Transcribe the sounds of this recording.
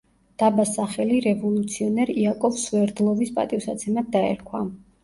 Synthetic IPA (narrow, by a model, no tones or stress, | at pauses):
d̪̥abasaχɛliɾɛvɔlˠut̪sʰiɔnɛɾiakʼɔfsuɛɾd̪lˠɔvispʼa̰t̪ʼivsat̪sʰɛmat̪̚d̪aɛ̰ɾkʰwa